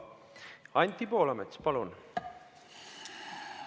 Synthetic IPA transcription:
ɑnʲt̪ʲːipo̞ːlɑmet̪spɑlun

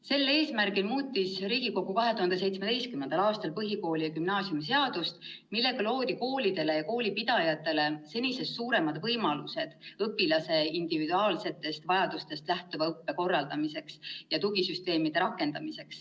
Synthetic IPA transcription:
se̞lːe̞ːsmærɡilmuːt̪ʲːisriːɡ̥iko̞ɡukɑɦet̪uhɑnd̪̥ese̞jt̪smet̪e̞jst̪kymnːend̪̥ɑlɑːst̪ɑlpɤɦiko̞ːlijɑkymnɑːsiumis̬e̞ɑd̪̥ust̪milːe̞ɡ̥ɑlo̞ːd̪̥iko̞ːlid̪̥e̞le̞jɑko̞ːlipid̪̥ɑjɑt̪ːˑe̞le̞se̞nʲise̞ssuːɾe̞mɑd̪̥vɤjmɑluse̞d̪̥ɤpːˑilɑse̞ind̪̥ivid̪uɑːlse̞t̪ːˑe̞st̪vɑjɑd̪̥ust̪e̞st̪læht̪uvɑɤpːe̞ko̞rːɑld̪ɑmise̞ksjɑt̪uɡisyst̪e̞ːmid̪̥e̞ɾɑkːˑe̞nd̪̥ɑmise̞ks

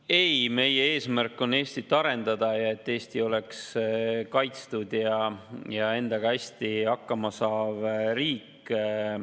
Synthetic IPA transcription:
e̞jme̞jee̞ːsmærkːˑo̞ne̞ːst̪it̪ːˑɑɾe̞nd̪̥ɑd̪ɑjɑe̞t̪ːe̞ːst̪io̞le̞kskɑjt̪st̪ud̪̥jɑjɑe̞nd̪̥ɑɡ̥ɑæsʲt̪iɑkːɑmɑsɑːvɾiːk

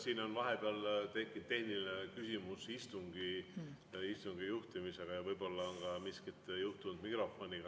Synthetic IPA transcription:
siːno̞nvɑɦe̞b̥eɑlt̪e̞kːˑind̪e̞hniline̞kysimusist̪uŋɡ̥i | ist̪uŋɡ̥ijuht̪imise̞ɡ̥ɑjɑvɤjb̥o̞lːɑonɡ̥ɑmiskit̪ːˑjuht̪und̪̥mikro̞fo̞nʲiɡ̥ɑ

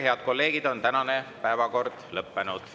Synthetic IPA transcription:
he̞ɑd̪̥ko̞lːe̞ːɡ̥id̪̥o̞nt̪ænɑnepæevɑko̞rd̪̥lɤpːenud̪̥

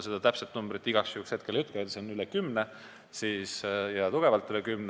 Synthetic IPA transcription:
sed̪ɑt̪æpset̪numb̥ɾit̪ːˑiɡ̥ɑksjuhːkshe̞t̪̚ke̞ljut̪ˑkɑet̪seonylekymne | siːsjɑt̪uɡ̥e̞vɑlt̪ːˑylekymn

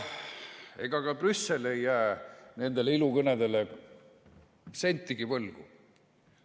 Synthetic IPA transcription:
e̞̰ɡ̥ɑkɑbrysːe̞le̞jːæene̞nd̪e̞leilukɤned̪e̞le | se̞nʲt̪ːiɡivɤlɡ̥ṵ

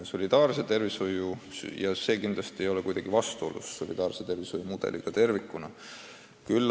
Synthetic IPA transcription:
so̞lʲid̪̥ɑːrse̞t̪e̞rvishojujɑse̞ːkind̪lɑst̪iejo̞lekujd̪ɑɡivɑst̪uo̞̰lṵsːo̞lʲḭd̪̥ɑːrset̪e̞rvishojumud̪̥e̞̰lḭɡ̥ɑt̪e̞rvikːˑunɑ | kylː

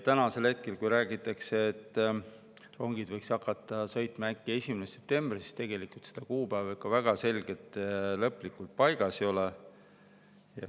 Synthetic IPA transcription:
t̪ænɑse̞lhe̞t̪̚ke̞lkujɾæːɡit̪ːˑɑkseːt̪ːˑ | ro̞ŋɡ̥id̪vɤjksɑkːˑɑt̪ˑːɑsɤjt̪ˑmɑækːie̞sʲimenese̞p̚t̪e̞mbrisi̥st̪e̞ɡ̥e̞likult̪sed̪̥ɑkuːpævekːɑvæɡ̥ɑse̞lʲɡ̥e̞t̪ːˑlɤpːˑlikːult̪̚pɑjɡ̥ɑsio̞le | jɑ̰

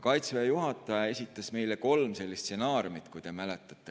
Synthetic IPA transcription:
kɑjt̪svejɑjuɦɑt̪ːˑɑjɑe̞sʲit̪ːˑɑsme̞jleko̞lmse̞lːist̪se̞nɑːɾjumit̪kujt̪e̞mælet̪ːˑɑt̪ːˑe

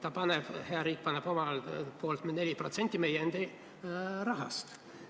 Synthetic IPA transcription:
t̪ɑpɑneb̥heɑɾiːk̚ːpɑneb̥o̞mɑlpo̞lt̪mne̞lʲipro̞t̪se̞nʲt̪ʲːˑime̞jeend̪̥i | rɑɦɑ̰st̪

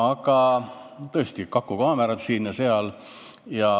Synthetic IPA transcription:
ɑɡɑt̪ɤest̪ikɑkːˑukɑːmeɾɑt̪siːnjɑse̞ɑl | jɑ

